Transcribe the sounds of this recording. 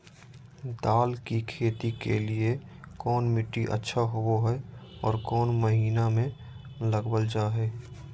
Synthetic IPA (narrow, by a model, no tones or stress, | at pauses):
d̪aːlkikʰeːt̪ikḛlie | kɔːnmɪʈːiʔə̰tːʃʰaɦooɦɛɔ̰ːɾkɔːnməɦiːnamẽ | ləɡbəld͡ʒaːɦɛː